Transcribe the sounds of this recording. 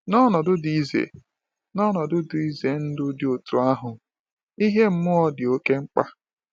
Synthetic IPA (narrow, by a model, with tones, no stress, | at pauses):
nɔ˦nɔ˨dʊ˦di˦zḛ˨ | nɔ˦nɔ˨dʊ˦dʊ˨i˦ze˨n̩˦dʊ˦dɪ˦o˨tu˨a˦ɦʊ˨ | i˦ɦe˦m̩˦mʊ˦ɔ˨dɪ˨o˦ke˦ŋ͡m̩˦k͡pa˦